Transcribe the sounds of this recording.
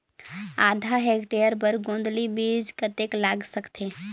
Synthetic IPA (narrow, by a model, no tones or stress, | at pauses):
aːd̪ʱaɦekʈejəɾp̬əɾɡõːnd̪libid͡ʒkət̪eklaːɡsəkt̪ʰe